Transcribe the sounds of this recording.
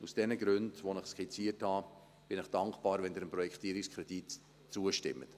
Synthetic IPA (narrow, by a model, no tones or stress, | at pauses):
usd̥ɛnəɡɾʉndvonɪχskʰit͡siəthɑː | b̥ɪnɪχd̥ɑŋkb̥ɑːɾvɛnd̪ɪɾəmpɾɔjɛkʰt̪iəɾikskʰɾɛd̥it | t͡suəʃtɪ̰mːə̰t